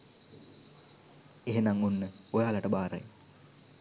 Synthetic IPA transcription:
eɦenaŋunːəojaːlaʈəbaːɾə̰j

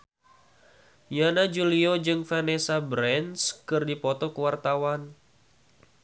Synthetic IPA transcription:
janad͡ʒuliod͡ʒɨŋfanesabɾɛnskɨrdipɔt̪ɔkəwart̪awan

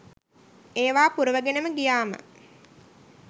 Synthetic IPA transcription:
eːʋaːpuɾəʋəɡenəməɡijaːmə̰

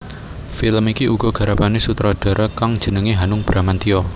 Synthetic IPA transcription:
filəmikiʔuɡ̥ɔ̤ɡ̥a̤ɾapanesut̪ɾɔd̥a̤ɾɔkaŋd̥ʒ̥ə̤nəŋeɦanʊŋb̥ɾʔamant̪iɔ

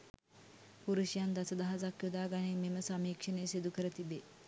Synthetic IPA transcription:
puɾuʃijand̪asəd̪aɦazakjud̪aːɡanememəsamiːkʂənejsid̪ukəɾət̪ibe

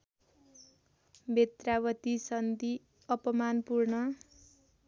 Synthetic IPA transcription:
bʱet̪rabʌt̪isʌnd̪i | ʌpʌmanpurnʌ

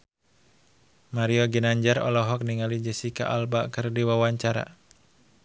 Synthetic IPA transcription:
maɾiɔɡənaɲd͡ʒaɾɔ̰lɔɦɔk̚niŋalid͡ʒɛsika̰ʔalbakɨrdiwawaɲt͡ʃaɾa̰

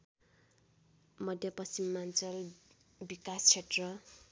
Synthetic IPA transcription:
mʌd̪ʱjʌpʌst͡simːant͡sʌl | bikast͡ɕʰeʈrʌ

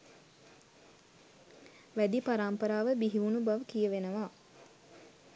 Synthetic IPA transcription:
ʋæd̪ipaɾaːmpəɾaːʋəbiɦiʋunubaʋəkijəʋenəʋaː

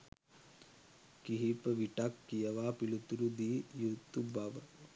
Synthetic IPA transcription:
kiɦipɐʋiʈakːijɐʋaːpilut̪uɾud̪iːjut̪ːubaːʋɐ

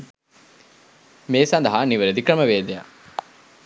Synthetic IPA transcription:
meːsɐnd̪ɐɦaniʋɐɾed̪ikɾɐməʋeːd̪eja̰

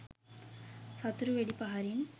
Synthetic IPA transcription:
sɐt̪ɾɯʋeɽipɐɦɐɾin

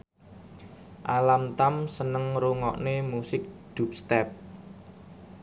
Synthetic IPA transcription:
ʔalamt̪amsənəŋɾuŋɔʔnemusɪk̚d̪̥ṳp̚st̪ɛp̚

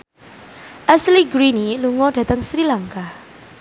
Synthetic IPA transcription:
ʔɛsliɡɾiniluŋɔɖ̥ä̤t̪əŋsɾilaŋka

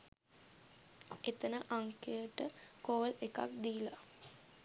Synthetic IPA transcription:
et̪ənəʔaŋkejəʈəkoːleka̰k̚d̪iːla

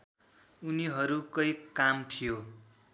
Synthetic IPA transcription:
uniɦʌɾukʌjkamt̪ʰijo

